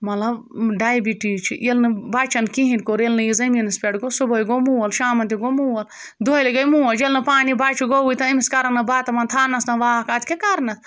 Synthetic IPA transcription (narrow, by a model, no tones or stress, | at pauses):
mɐlɐb | ɖaːjbiʈiːt͡ʃʰḭelnɨbaːt͡ʃɐnkiɦĩnʲkoɾelnɨjizɐminɐspʲeɽɡosubɐjɡomuːwɐlʃaːmɐnt̪iɡomuːwɐl | d̪ʱoleɡɐjmuːɐld͡ʒelnɐpaːnibaːt͡ʃʰuɡowit̪ɐimiskɐɾɐnɐbaːt̪ɐmɐnt̪ʰaːnɐsnɐʋaːkaːt̪ʲkʲekɐɾnɐ